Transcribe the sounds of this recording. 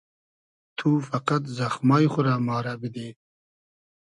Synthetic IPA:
t̪ʰufɐqat̪zaxmɑːjχʊɾaːmɑːɾabid̪eː

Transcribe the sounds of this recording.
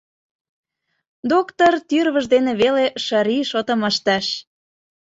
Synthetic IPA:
d̪okt̪ort̪yrβə̆ʒd̪enĕβeleʃəɾiʃot̪ə̆məʃt̪æʃ

